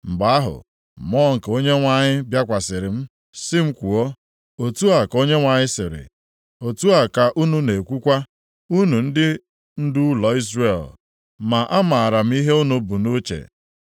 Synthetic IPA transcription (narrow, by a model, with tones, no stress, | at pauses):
m̩˨ba˦a˦ɦʊ̰˨ | mɔ˦˨ŋ̩˨ko˦ɲe˦ŋʷa˦˨ɲɪ˦bja˦kʷa˨sɪ˨ɾɪ˨m̩˦ | sɪ˦m̩˦kʷu˨o˦ | o˨tu˦a˨ko˦ɲe˦ŋʷa˨ɲɪ˦sɪ˨ɾɪ̰˨ | o˨tu˦a˨ka˨ʔu˦nu˦ne˨kʷu˦kʷa˦ | u˦nu˨n̩˦dɪ˦ | n̩˦du˦lɔ˨i˦zre˦˨l | ma˨ʔa˦ma˨a˨ɾa˨m̩˦i˦ɦe˦u˦nu˨bu˨no˦t͡ʃḛ˨